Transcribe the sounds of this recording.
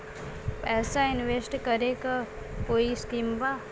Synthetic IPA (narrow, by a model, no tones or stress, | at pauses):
pɛːsaɪnʋesʈkəɾeka | koːiskiːmba